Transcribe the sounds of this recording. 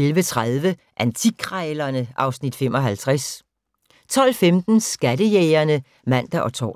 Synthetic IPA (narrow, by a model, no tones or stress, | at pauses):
elʋət͡sʰʁaðˠʋə | ʔænt͡sʰiɡ̥ʰʁaɪlɐnəʔɑ̈ʊsnid̥fem̰ɒ̽ɦælt͡sʰʁas | t͡sʰɒ̽l̰femd̥n̩sɡ̥ædəjeːɪɐnə | mæn̰d̥æʔɒ̽t͡sʰɒ̰ː